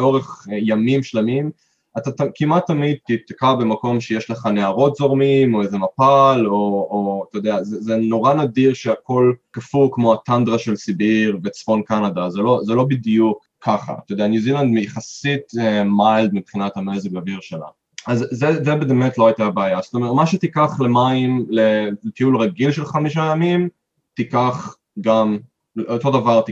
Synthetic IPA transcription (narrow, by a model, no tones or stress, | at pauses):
o̞ʁeχjamimʃlamim | at̪at̪akimat̪ːamid̪̚t̪it̪akabemako̞mʃejeʃleχaneaʁo̞tzo̞ʁmimo̞ezemapalooat̪ajod̪eazezeno̞ʁanad̪iʁʃeako̞lkafukmo̞at̪and̪ʁaʃelsibiʁvet͡sfo̞nkanad̪azelo̞zelo̞bid̪jukʰːaχa̰at̪ajodeanjuziland̪mejaχasitemajld̪mipχinat̪hamezeɡaviʁʃela̰ | azːezebeːmet̪loajt̪abeajaz̥otomtmaʃet̪ikaχlemaimlelet̪iulʁaɡilʃelχamiʃajamim | t̪ikaχ | ɡam | lʔot̪o̞d̪avaʁt̪i